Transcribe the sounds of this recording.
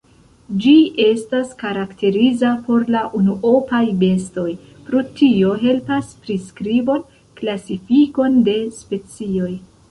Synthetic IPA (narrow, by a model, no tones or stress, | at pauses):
d͡ʒie̞staskaɾakte̞ɾizapo̞ɾlaʔunuʔo̞pajbe̞sto̞j | pɾotio̞ɦe̞lpaspɾiskɾibo̞n | klasifiko̞nde̞spe̞t͡sio̞j